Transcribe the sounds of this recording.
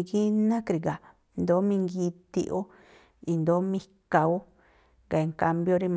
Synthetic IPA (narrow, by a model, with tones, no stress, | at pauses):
ɡi˦nã˦kɾi˨ɡa˨ | nd̪o˨˦mĩ˧ŋɡi˧t̪ḭ˧ʔo˦ | i˧nd̪o˨˦mĩ˧ka˧o˦ | ɡa˨e˧ŋka˧mbjo˧˦ɾi˧m